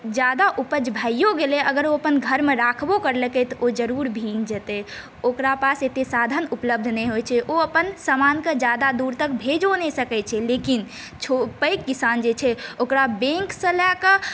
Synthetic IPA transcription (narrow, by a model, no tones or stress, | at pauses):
d͡ʒjad̪aʔupəd͡ʒbʱajjoɡeleʔəɡəɾoəpənɡʱəɾmeɾakʰbokəɾlekɛt̪ɔʔod͡ʒəɾuɾbʱĩŋd͡ʒət̪ɛ | okɾapaset̪esad̪ʱənupləb̚d̪ʱneɦojt͡ʃʰɛʔoəpənsamankəd͡ʒad̪ad̪uɾt̪ək̚bʱed͡ʒonesəkɛt͡ʃʰɛlekin | t͡ʃʰopəkːisand͡ʒet͡ʃʰɛokɾabẽŋksə̃lakə